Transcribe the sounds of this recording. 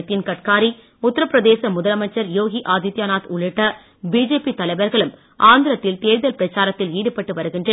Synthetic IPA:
t̪ːɪnkɐʈkaːɾi | ʊt̪ːɐɾɐpːɾɐðeːsɐmʊðɐlɐmɐt͡ʃːɐɾjoːɣiʔaːd̪it̪jaːnaːt̪ʊɭɪʈːɐ | biːd͡ʒeːpit̪ɐlɐɪʋɐɾɣɐɭɯm | ʔaːnd̪ɪɾɐt̪ːɪlt̪eːɻðɐlpɪɾɐt͡ʃːaːɾɐt̪ːɪliːɽɯpːɐʈːɯʋɐɾɯɣɪndrɐ

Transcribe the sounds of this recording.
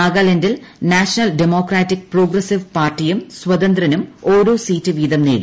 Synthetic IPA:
aːɡaːlendilnaːʂɐnɐldemo̞ːkraːtːik̚proːɡrɐsiʋpaːrtːijumswɐd̪ɐnd̪rɐnumo̞ːɾoːsiːtːɨʋiːd̪ɐmneːɽṵ

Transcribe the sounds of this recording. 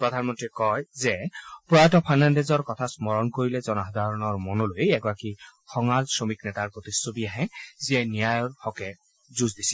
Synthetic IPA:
pɹɔd̪ʱanmɔntɹikɔjzɛpɔatɔpʰanandezɔɹkɔtʰasmɔɹɔnkoɹilɛzɔnaɦad̪ʱaɹɔnɔɹmɔnɔlojɛɡɔɹakixɔŋalsɹomiknɛtaɹpɹot̪isobiaɦɛziɛnijajɔɹxɔkɛ | zuzdisi̥

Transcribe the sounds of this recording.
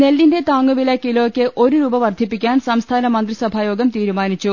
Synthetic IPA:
ne̞lːinde̞t̪aːŋːuʋilɐkiloːkʲːɨʔo̞ɾuɾuːbɐʋɐrd̪ʱipːikʲːaːnsɐmst̪ʰaːnɐmɐnd̪risɐbʱajo̞ːɡɐmt̪iːɾumaːnit͡ɕːu

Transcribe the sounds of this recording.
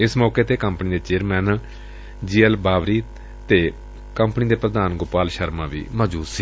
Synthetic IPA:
ɪsmɔːkeːt̪eːkəmpniːd̪eːt͡ʃeːɾmɛːn | d͡ʒiːəlbaːʋɾiː | t̪eː | kəmpniːd̪eːpɾəd̪aːnɡʊpaːlʃəɾmãːʋḭːməːd͡ʒuːd̪siː

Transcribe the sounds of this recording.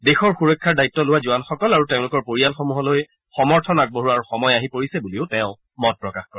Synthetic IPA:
dexɔɹxuɹɔjkʰːaɹdajitːɔlʊwazuanxɔkɔlaɹuteʊ̃lʊkɔɹpoɹialxɔmuɦɔloj | xɔmɔɹtʰɔnak̚boɦuaɹuxɔmɔjaɦipoɹisɛbuliʊtɛʊ̃ | mɔt̚pɹɔkaxkɔɛ

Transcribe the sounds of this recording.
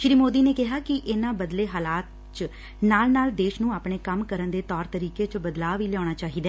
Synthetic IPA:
ʃɾiːmoːd̪iːneːkɪɦaːkɪʔɪnãːbəd̪leːɦaːlaːt̪̚ | t͡ʃ | naːlnaːld̪eːʃnũːaːpɳeːkəmkəɾənd̪eːt̪ɔːɾt̪əɾiːkeːt͡ʃbəd̪laːʋiːlɛjaːnaːt͡ʃaːɦiːd̪aː

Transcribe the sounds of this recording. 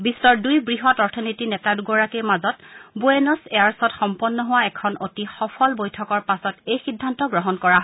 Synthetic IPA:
bisːɔɹdujbɹiɦɔtɔɹtʰɔnitinɛtaduɡɔɹakejmazɔtboenɔsejaɹsɔtxɔmpɔnːɔɦʊwaɛkʰɔnotixɔpʰɔlbojtʰɔkɔɹpasɔtejxidʱːantɔɡɹɔɦɔnkɔɹaɦ

